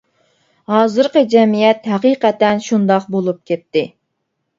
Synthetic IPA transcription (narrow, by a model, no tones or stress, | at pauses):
hɑːzɨɾqəd͡ʒɛmijɛt̪ɦɛqiːqɛt̪ɛnʃund̪ɑqbolˠup̚kʲʰɛp̚t̪ːɪ